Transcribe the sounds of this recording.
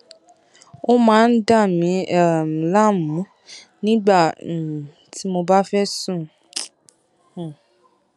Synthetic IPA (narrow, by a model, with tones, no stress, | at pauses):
o˦mãː˦n̩˦da˦˨mĩ˨˦ɛ˨la˦mũ˨˦ | nĩ˦ɡ͡bã˦˨ | tʰi˨˦mo˧ba˦fɛ˦sũ˦˨